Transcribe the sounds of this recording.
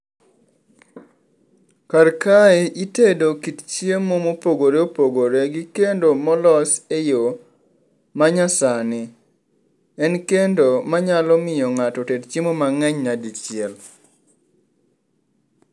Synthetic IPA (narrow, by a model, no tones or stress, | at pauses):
karkaeʔitedokitt͡ʃiemomopoɡoɾeopoɡoɾeɡikendomɔlɔsejo | maɲasanɪ | ɛnkendomaɲalɔmɪjɔŋatɔtedt͡ʃimomaŋɛɲnadit͡ʃɪɛl